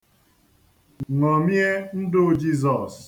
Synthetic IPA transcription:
ŋɔ˨mje˦n̩˦dʊ˦d͡ʒi˦zɔ˨s

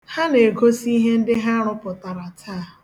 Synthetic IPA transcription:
ha˦ne˨ɡo˦si˦ɦe˦n̩˦dɪ˦ɦa˦ɾʊ˦pʊ˨ta˨ɾa˨tʰa˦˨

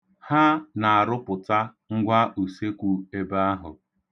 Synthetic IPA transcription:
ha˦na˨a˨ɾʊ˦pʊ˨ta˦ | ŋ̩˦ɡʷa˦ʔu˨se˦kʷu˨e˦ba˦a˦ɦʊ̰˨

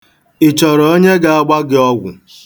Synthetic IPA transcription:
ɪ˨t͡ʃɔ˨ɾɔ˨o˦ɲe˦ɡa˦˨a˦ɡ͡ba˦ɡɪ˦ɔ˦ɡʷʊ̰˨

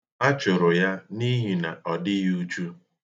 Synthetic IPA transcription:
a˦t͡ʃʊ˨ɾʊ˨ja˦ni˦ɦi˨na˨ɔ˨dɪ˦ju˦t͡ʃu˦

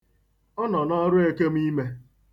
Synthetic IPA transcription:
ɔ˦nɔ˨nɔ˦ɾʊ˦e˦ke˦m̩˦i˦me˦

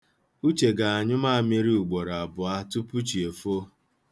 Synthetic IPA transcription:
u˦t͡ʃe˨ɡa˨a˨ɲʊ˦ma˦˨me˦ɾi˦u˨ɡ͡bɔ˨ɾa˨a˨bʊ˨a˦tu˦pu˦t͡ʃi˨e˨fo˦

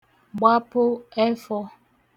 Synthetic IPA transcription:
ɡ͡ba˦po˦ɛ˦fɔ˦

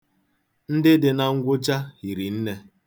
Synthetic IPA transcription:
n̩˦dɪ˦dɪ˨na˨ŋ̩˦ɡʷʊ˦d͡ʒa˦hi˨ɾi˨n̩˦ne˦

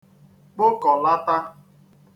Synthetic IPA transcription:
k͡pʊ˦kɔ˨la˦ta˦

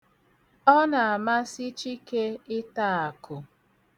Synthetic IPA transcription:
ɔ˦na˨a˨ma˦si˦t͡ʃi˦ke˦ɪ˦ta˦a˨kʊ˨

